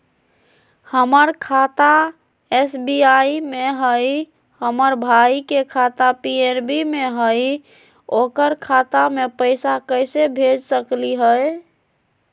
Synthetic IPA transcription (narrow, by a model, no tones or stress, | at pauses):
həməɾkʰat̪a | esbiaimeɦəj | həməɾbʱaikekʰat̪apieɾbimeɦəj | okəɾkʰat̪amepəɪsakəɪsebʱed͡ʒsəkliɦəj